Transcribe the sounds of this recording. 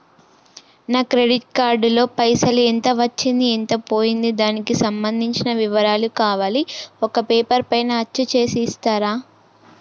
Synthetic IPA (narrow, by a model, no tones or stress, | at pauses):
naːkɾe̞ɖiʈ̚kaːɾɖlo̞ːpɐjsɐluent̪ɐʋɐt͡ʃːind̪ient̪ɐpo̞ːjind̪id̪aːnikisɐmbɐnd̪ʱiɲt͡ʃinɐʋiʋɐɾaːlukaːʋaːliɔkɐpeːpɐɾpɐjnɐɐt͡ʃːut͡ʃe̞ːsiːst̪aːɾaː